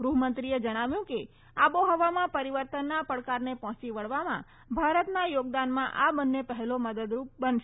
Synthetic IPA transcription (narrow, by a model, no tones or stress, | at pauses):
ɡɾuɦmənt̪ɾied͡ʒəɽ̃aʋjũke | aboɦəʋamãpəɾiʋəɾt̪ənːapəɽkaɾnepɦɔ̃t͡ʃiʋəɭʋamã̰ | bʱaɾət̪najoɡ̚d̪anmãʔabənːepəɦɛloməd̪əd̪ɾup̚bənʃe